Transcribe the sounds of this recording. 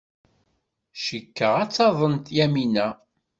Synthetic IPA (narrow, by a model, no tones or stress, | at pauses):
ʃəkːəʁæt͡sːɑðˤənt̪jæminæ